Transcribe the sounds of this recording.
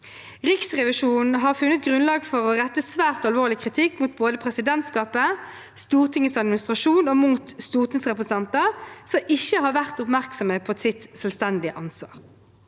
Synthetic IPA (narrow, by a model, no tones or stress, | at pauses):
ʁɪksʁɛʋɪʂuːnn̩n̩ɦɑːʁfʉnːət̪ɡʁʉnlɑːɡfɔʁɔʁɛt̪ːəsʋæːʁt̪ɑlʋoːʁlɪkʰʁɪt̪ʰɪkːmut̪̚boːd̪əpʰʁɛsɪd̪ɛnt̪skɑːpə | st̪uːʁt̪ʰɪŋːəsɑd̪mɪnɪst̪ʁɑʃuːnomuːt̪st̪uːʁt̪ʰɪŋsʁɛpʁəsən̩ɛnt̪ɑsɔmʔɪçːəhɑːʁʋæʁt̪ʊpmæʁksɔməpʰɔsɪt̪sɛlst̪ɛnd̪ɪəʔɑnsʋɑ̰ːʁ